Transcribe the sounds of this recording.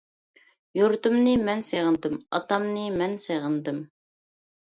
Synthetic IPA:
juɾt̪umnɨmɛnseʁɨnd̪ɨmɑ̰t̪ɑmnɨmɛnseʁɨnd̪ɨm

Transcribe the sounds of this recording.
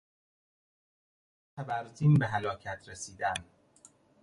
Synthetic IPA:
t̪ʰæbæɾt̪iːnbeɦælɒːcʰæt̪ʰɾesiːd̪æm

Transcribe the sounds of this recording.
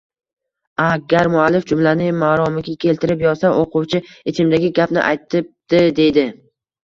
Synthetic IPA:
aɡʲaɾmʊalːɪfd͡ʒʊmlanɪmaːɾɒmɪɡʲakʲʰe̞lt̪ʰɪɾɪpjɒɾsaʔoqʊwt͡ʃʰɪet͡ʃʰɪmd̪aɡʲɪɡʲapnɪ̰ʔa̰jt̪ʰɪp̚d̪̥ɪd̪e̞jd̪ɪ

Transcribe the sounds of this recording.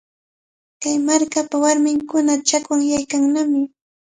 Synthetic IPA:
kajmaɾkapawaɾmɪŋkʊnat͡ʃakwaŋjajkaŋnamɪ

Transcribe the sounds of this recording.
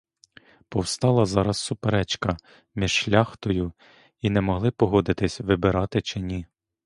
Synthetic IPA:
pɔwst̪ɑlˠɐzɑɾɐsːʊpeɾɛt͡ʃkɐ | mʲiʒ̥ʃlʲɑxt̪ɔjʊ | inɛmɔɦlˠɪpɔɦɔd̪ɪt̪ɪsʲʋɪbɪɾɑt̪ɪt͡ʃɪnʲi

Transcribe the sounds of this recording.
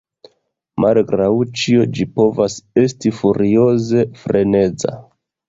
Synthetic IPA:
mʔalɡɾawt͡ʃio̞d͡ʒipo̞vase̞stifuɾio̞ze̞fɾe̞ne̞d͡za̰

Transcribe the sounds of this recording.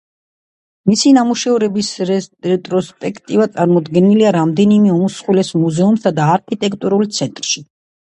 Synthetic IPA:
misinamuʃɛvɾɛbisɾɛt̪ʼɾɔspʼɛkʰt̪ʼivat̪sʼaɾmɔd̪ɡɛniliaɾamd̪ɛnimɛɔmusχwilɛsmuzɛumsad̪aːɾkʰit̪ʼɛkʰt̪ʼuɾult̪sʰɛnt̪ʼɾʃi

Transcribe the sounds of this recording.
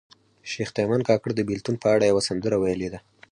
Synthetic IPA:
ʃext̪ajmɑnkɑkəɽd̪əbilt̪unpəaɽajawasand̪əɾawajəled̪a

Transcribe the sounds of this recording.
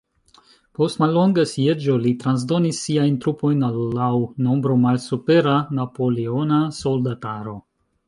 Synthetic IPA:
po̞stmalːo̞ŋɡasied͡ʒo̞litɾans̬do̞nisːiajntɾupo̞jnalːawno̞mbɾo̞malsupe̞ɾanapo̞leonaso̞ldataɾo̞

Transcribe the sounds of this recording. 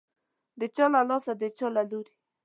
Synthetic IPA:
d̪ət͡ʃɔlalɔsad̪ət͡ʃɔlaluɾi

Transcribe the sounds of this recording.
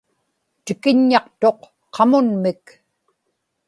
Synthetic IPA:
t̪ɪkɪɲːɑqt̪o̞qːʰ | ɑmʊnmɪk

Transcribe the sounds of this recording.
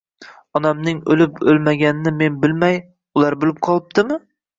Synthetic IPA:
ɒnamnɪŋɵlɪpɵlˠmaɡʲanɪnɪme̞nbɪlmaj | ʊlˠaɾbolˠɪp̚qʰɒlˠɪp̚t̪ɪmɪ

